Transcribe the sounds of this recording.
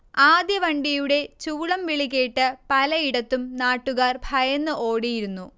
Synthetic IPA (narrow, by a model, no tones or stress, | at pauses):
aːd̪jɐʋɐɳɖijuɽe̞t͡ɕuːɭɐmʋiɭik̬ʲːeːʈːɨpɐlɐiɽɐt̪ːumnaːʈːuɣaːrbʱɐjɐnːɨʔo̞ːɽijiɾunːu